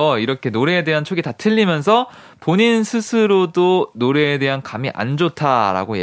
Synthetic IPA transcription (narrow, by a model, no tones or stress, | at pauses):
ʌiɾʌkʰe̞noɾe̞ːde̞ɦant͡ɕʰoɡitatʰɯʎːimjʌns̬ʰʌ | poɲinsʰɯsʰɯɾodonoɾe̞ːde̞ɦankamiʔa̰nd͡ʑotʰaɾa̰ɡoje